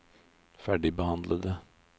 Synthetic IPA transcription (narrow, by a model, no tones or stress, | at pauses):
fæɖɪbəhɑnd̪lʔəd̪ə